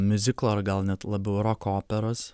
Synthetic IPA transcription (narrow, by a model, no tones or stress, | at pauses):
mʲʊzʲɪklˠoːɐɾɡɐlˠnʲɛt̪lˠɐbʲɛʊɾoːkoːpʲɛɾoːs